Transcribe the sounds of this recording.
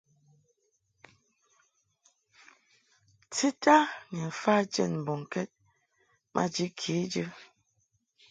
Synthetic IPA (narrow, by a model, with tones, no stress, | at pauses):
ti˦ta˦ŋɛ˨fa˦d͡ʒɛ̰˦˨nm˨bɔ˨ŋ˨kɛ˦t̚ | mʔa̰˦d͡ʒi˦kʰi˨˦d͡ʒə˦